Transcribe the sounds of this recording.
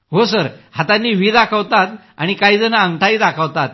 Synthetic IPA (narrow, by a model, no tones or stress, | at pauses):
ɦosəɾhat̪anːiːʋiːd̪akʰəʋt̪at̪ | a̰ɽ̃ikaɦiːd͡zənəəŋɡʈʰaiːd̪akʰəʋt̪at̪̚